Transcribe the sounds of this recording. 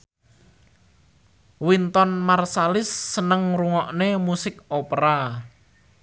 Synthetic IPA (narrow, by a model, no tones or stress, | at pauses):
wint̪ɔnmarsalɪsːənəŋruŋɔʔnemusɪkopɾa